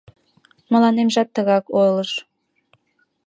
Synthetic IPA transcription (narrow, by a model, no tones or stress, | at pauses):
məlɑnemʒɑt̪ːəɣɑkojləʃ